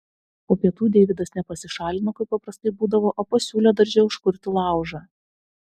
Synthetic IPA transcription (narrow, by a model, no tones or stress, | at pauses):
oːpʲiɛt̪uːd̪ʲɛːʋʲɪd̪ɐsnʲɛpɐsʲɪʃɑːlʲɪnokɐɪp̚ːɐpɾɐst̪ɐɪbuːd̪ɐʋoːʔoːpɐsʲuːlʲeɛd̪ɐɾʲd͡ʒʲɛʊʊʃkʊɾʲt̪ʲɪlˠɑˑʊʒɑ